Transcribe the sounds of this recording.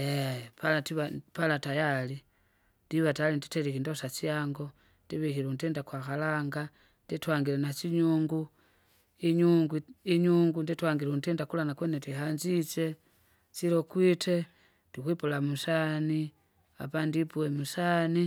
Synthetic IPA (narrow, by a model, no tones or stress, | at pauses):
epalatiβapalatajali | ndiβataalindi̥telikindosat͡ʃjaːŋɡo̞ | ndiβixiɾuntiːndakwaxalaŋɡa | nditwaːŋɡilenat͡ʃiɲuːŋɡu | iɲuːŋɡuiɲuːŋɡunditwaːŋɡiluntindakulanakwenetihaɲd͡ʒit͡ʃe̞ | t͡ʃilokwitʰe̞ | tixwipulamusani | a̰pandipuwemusani